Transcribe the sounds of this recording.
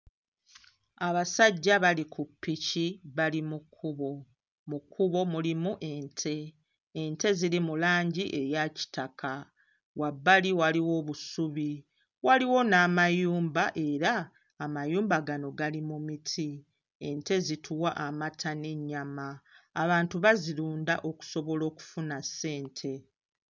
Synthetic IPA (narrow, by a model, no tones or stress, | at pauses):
aβasaɟːaβalikʰupːiciβalimukʰuβo̞ | mukuβo̞mulimuʔe̞ntʰe̞ː | nte̞ziɾimulaːɲɟiʔe̞jaci̥taka | wabːaliwaliwo̞ːβusuβi | waliwo̞naːmajuːmbaʔe̞ɾaː | majuːmbaɡano̞ɡalimumitʰi | e̞nte̞zitʰuwaʔamatʰaneɲːamaːβaːntuβaziluːndaʔo̞ku̥so̞βo̞lo̞ːku̥funase̞ːntʰe̞